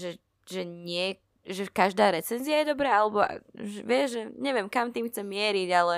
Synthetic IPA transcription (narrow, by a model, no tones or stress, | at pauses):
ʒɛ | ʒɛɲɪɛ | ʒɛkaʒd̪aːɾɛt͡sɛnziajɛd̪ɔbɾɛːalɛbɔa̰ʒɛʋɪɛʒʒɛɲɛʋɪɛmkamt̪iːmxt͡sɛmɪɛɾiɟalɛ